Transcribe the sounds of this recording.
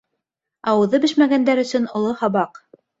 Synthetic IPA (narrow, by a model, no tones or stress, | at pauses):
ɑwɤ̆ðɤbɘʃmæɡænd̪æɾɵ̆sɵnŏlˠohɑβɑq